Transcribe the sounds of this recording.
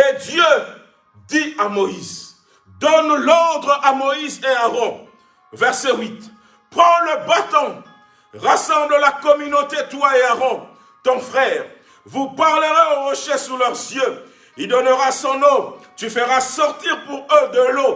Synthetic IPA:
ed̪jø | d̪iamɔiz | d̪ɔnlɔʁd̪ʁʔamɔizeaʁɔ̃ | vɛʁsewit̪ | pχɑ̃ləbat̪ɔ̃ | ʁasɑ̃bləlakɔmynot̪et̪waeaʁɔ̃ | t̪ɔ̃fχɛːʁ | vupaʁləʁaɔ̃ʁɔʃesulœʁzjø | ild̪ɔnəʁasɔ̃nɔ̃t̪yfəʁasɔʁt̪iʁpuʁød̪əlo

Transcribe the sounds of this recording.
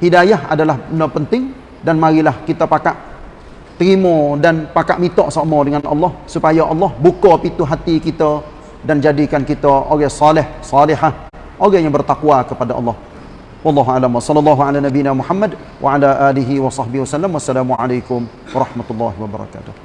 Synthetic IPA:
hidajaɦʔa̰dalahənəpənt̪ɪŋ | danmaɾilahkit̪əpakaʔ | t̪ɾimɔdanpakaʔmit̪ɔʔsamɔdəŋanʔɑ̰lːɔhsupajaʔɑlːɔhbukɔpit̪uɦat̪ikit̪ə | dand͡ʒadikankit̪əʔoɣɛsɑlɪhsɑlɪɦah | ʔoɣɛjaŋbərt̪akuwakəpadaʔɑ̰lːɑh | wɑlːɑɦualamwasɑlːɔlːɑɦuʕalanabinamuħamːad | wʔa̰ʕalaʔaliɦiwɑsɑhbihwasalːamwasːalamuʕalakʊm | wɑɾˤɑhmat̪ulːɑ̰ɦiwaba̰ɾˤɑ̰ka̰t̪ʊh

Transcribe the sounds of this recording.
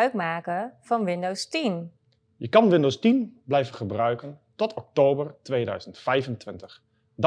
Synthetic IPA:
ɥkmaːkəv̥ɑnʋɪndowstin | jəkɑnʋɪndowstinblɛjvəχəbrœɥkəntɔtʰɔk̚towbərtʋeːdœ̰ɥzəntfɛjvəntʋɪntəχ | d

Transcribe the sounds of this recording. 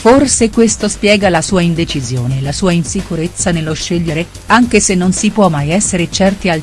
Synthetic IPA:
forsekwest̪ospjɛːɡalasuːaind̪et͡ʃizjo̰ːnelasuːainsikuɾet̪sːanelːoʃːeʎːeɾe | aŋk̟esenːonsipwɔmːajɛsːeɾet͡ʃɛrt̪ial

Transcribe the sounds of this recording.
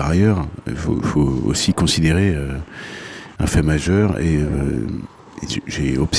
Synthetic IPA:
aʁajœʁḭlfo̰foo̰sikɔ̃sid̪eʁeø | ɛ̰̃fɛmaʒœʁḛø | ʒeɔps

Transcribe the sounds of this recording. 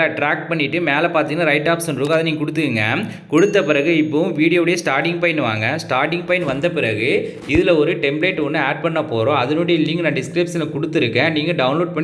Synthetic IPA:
ɐɐʈɾaːk̚ʈ̚pɐɳːɪʈːɯmeːlɐpaːɾt̪iːɡnaːɾɐɪʈːaːpsɐnɾɯːkːɯɐðɐniːŋɡɐkʊɽɯt̪ːɯkɯŋɡɐ̰ | kɔɽɯt̪ːɐpɪɾɐɣɯɪpːɐːʋɯ̃ʋiːɽɪjoːɽɐjɐsʈaːɾʈɪŋɡ̚pɐjɪnʋa̰ːŋɡɐsʈaːɾʈɪŋɡ̚pɐjɪnʋɐnd̪ɐpɪɾɐɣɯ | ɪðɪlɐɔɾɯʈɛmbleːʈːɔnːɯeːʈ̚pɐɳːɐpoːɾõːɐðɐnoːɽɪjɐlɪŋɡnãːɖɪskɾɐːpsɐnlɐkɔɽɯt̪ːɪɾɯkːɛ̃ːniːŋɡɐɖɐʋʊnloːɖ̚pɐɳː

